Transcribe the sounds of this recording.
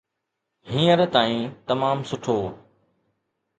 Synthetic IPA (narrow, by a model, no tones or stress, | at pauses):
ɦĩːəɾt̪aːĩːt̪ɐmaːmsʊʈʰoː